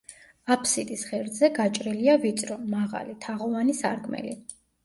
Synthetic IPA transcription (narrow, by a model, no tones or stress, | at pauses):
apʰsit̪ʼisχɛɾd̪zɛɡat͡ʃʼɾiliavit̪sʼɾɔmaʁa̰lit̪ʰaʁɔvanisa̰ɾɡʰʼmɛ̰li